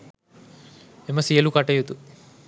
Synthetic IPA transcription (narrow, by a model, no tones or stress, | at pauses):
emɐsiɐlukaʈɐjut̪u